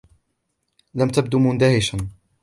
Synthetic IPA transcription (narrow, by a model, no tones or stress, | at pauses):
lamt̪ab̚d̪umʊnd̪ahɪʃan